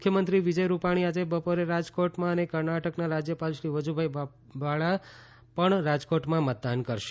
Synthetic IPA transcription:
kʰjəmənt̪ɾiʋid͡ʒəjɾupaɽ̃iad͡ʒebəpoɾeɾad͡ʒkoʈmãənekəɾnaʈəknaɾad͡ʒjəpalʃɾiʋəd͡ʒubʱaj | ʋaɭa | pəɳɾad͡ʒkoʈmãmət̪̚d̪ankəɾʃe̥

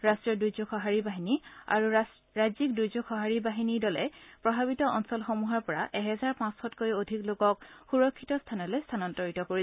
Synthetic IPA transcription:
ɹastɹiɔdujzɔkxɔɦaɹibaɦinia̰ɹu | ɹazik̚dujzɔkxɔɦaɹibaɦinidɔlɛpɹɔbʱaβitɔʔɔnsɔlxomuɦɔɹpɔɹaʔɛɦɛzaɹpãsxɔtkojodʱiklokɔkxuɹɔkʰːitɔstʰanɔlojstʰanɔntɔɹitɔkoɹi

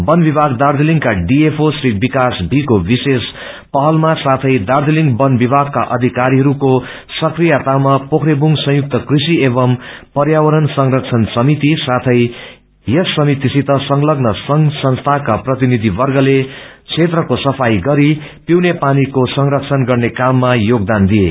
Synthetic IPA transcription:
bʌnbibʱaɡd̪ard̪eliŋkaɖiepʰosrik̚bikasbʱikobises | pʌɦʌlmasat̪ʰʌjd̪ard̪eliŋɡbʌnbibʱaɡ̚ka̰ʔʌd̪ʱikaɾiɦʌɾuko | sʌkrijat̪amapokʰɾebuŋsʌ̃juk̚t̪ʌkrisiebʌmpʌrjawʌɾʌnsʌŋrʌk̚t͡sʰʌnsʌmit̪isat̪ʰʌj | jʌsːʌmit̪isit̪ʌsʌŋlʌɡnʌsʌŋsʌnst̪ʰakaprʌt̪inid̪ʱibʌrɡʌlet͡sʰet̪rʌkosʌpʰajɡʌɾi | piwnepanikosʌŋrʌk̚t͡sʰʌnɡʌrnekamːajoɡ̚d̪and̪ie

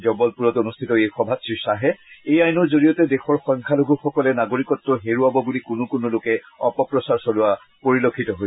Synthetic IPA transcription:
zɔbɔlpuɹɔtonustʰitɔejxɔbʱasisaɦɛejajnɔɹzoɹijɔtɛdexɔɹxɔj̃ŋkʰaloɡʱuxɔkɔlɛnaɡoɹikɔtːɔɦeɹuabɔbulikʊnʊkʊnulʊkɛ | ɔpɔpɹɔsaɹsɔlʊwa | poɹilokʰːitɔɦoj

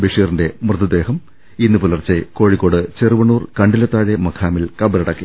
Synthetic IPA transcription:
biʂiːrinde̞mrɨd̪ɐd̪e̞ːhɐm | inːɨpulɐrt͡ɕːeko̞ːɻikːo̞ːɽɨt͡ɕerɨʋɐɳuːrkɐɳɖilɐt̪ːaːɻemɐkʰaːmilkɐbɐlɐɽɐkːi

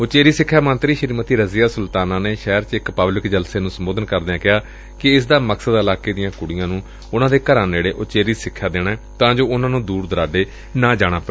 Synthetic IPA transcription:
ʊt͡ʃeːɾiːsɪkʰːaːmə̃nt̪ɾiːʃəɾiːmət̪iːɾəziːaːsʊlt̪aːnaːneːʃɛːɾt͡ʃɪkpəblɪkd͡ʒəlseːnũːsəmoːd̪ənkəɾd̪eːãːkɪɦaː | kɪɪsd̪aːməksəd̪əlaːkeːd̪ɪjãːkʊɽɪjãːnũː | ʊnãːd̪eːkəɾãːneːɽeːʔʊt͡ʃeːɾiːsɪkʰːaːd̪eːnaːɛːt̪ãːd͡ʒoːʊnãːnũːd̪uːɾd̪əɾaːɖeː | nãːd͡ʒaːɽ̃aːpː

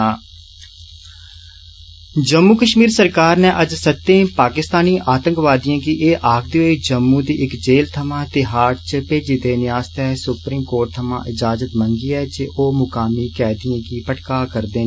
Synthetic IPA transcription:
d͡ʒəmːuːkəʃmiːɾsəɾkaːɾnɛːʔəd͡ʒsət̪ːẽːpaːkɪst̪aːniːʔaːt̪ə̃ŋkʋaːd̪ijãːkiːʔeːʔaːkd̪iːoiːd͡ʒəmːũːd̪iːʔɪkd͡ʒeːlt̪ʰəmãːt̪ɪɦaːʈt͡ʃəpeːd͡ʒɪd̪eːnɪaːst̪ɛːsʊpɾiːmkoːɾʈ̚t̪ʰəmã̰ːʔɪd͡ʒaːd͡ʒət̪məŋɡiːɛːd͡ʒeːʔoːmʊkaːmiːkɛːd̪ijãːkiːpəʈkaːkəɾd̪eː

